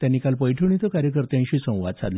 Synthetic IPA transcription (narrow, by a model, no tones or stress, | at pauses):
t̪janikalpəjʈʰəɳit̪əkaɾjəkəɾt̪ãɕiːsə̃w̃ʋa̰d̪t͡sa̰d̪l